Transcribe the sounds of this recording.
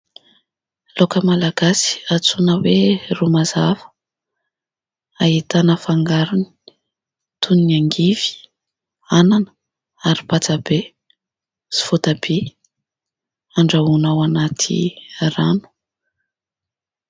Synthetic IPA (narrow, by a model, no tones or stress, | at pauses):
lokəmalaɡasi̥at͡sunəwerumazavə̥ | ait̪anəfaŋɡaɾuni̥ | t̪ʰunniaŋɡiv̥i̥ | ananə̥ | aɾipat͡sabe | si̥v̥ot̪abe | aɳɖ͡ʐaunawanat̪ʰḭranu̥